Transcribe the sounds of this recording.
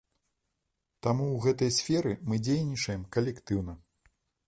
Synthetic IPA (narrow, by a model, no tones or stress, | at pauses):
t̪amuwɣɛt̪ɐjsʲfʲɛɾɨmɨd͡zʲejnʲit͡ʂɐjɛmkɐlʲɛkt̪ɨwn̪ɐ